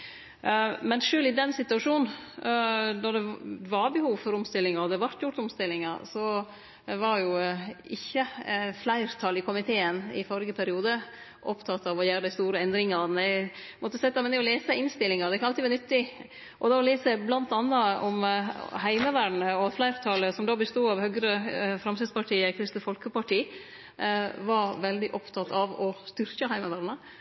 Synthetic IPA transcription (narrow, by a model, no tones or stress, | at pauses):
mɛnʂøːlɪd̪ɛnsɪt̪ʉɑʂuːn | d̪ɔd̪ɛʋɑɾbəhuːʋfɔɾɔmst̪ɪlːɪŋɑɾɔd̪ɛʋɑɾt̪jʊɾʈ̪ɔmst̪ɪlːɪŋɑɾsɔ | ʋɑɾjʊɪçːəflæɪɾt̪ʰɑlɪkʊmɪt̪ʰeːənɪ̰fɔɾɪɡəpʰæɾɪuːd̪ə | ʔɔpt̪ʰɑt̪ːɑʋɔjæːɾəd̪æɪst̪uːɾəɛnd̪ɾɪŋɑnæ | mɔt̪ːəsɛt̪ːɑmɛnɛɔleːsəɪnst̪ɪlɪŋɑɾd̪ɛkʰɑnɑɪːʋɛɾnʏt̪ːɪ | ʔɔd̪ɑɔleːsəblɑnt̪ɑnːɑɔmhæɪməʋæɖɳəɔflæɪɾt̪ʰɑləsɔmd̪ɑːbəst̪uːɑʋhœɡɾəfɾɑmsɪd̪spʰɑʈʰiːəkʰɾɪst̪əfɔlkəpɑʈiː | ʋɑɾʋɛld̪ɪʔɔpt̪ʰɑt̪ʰɑʋɔst̪ʏɾkəɦæɪməʋæɾɳə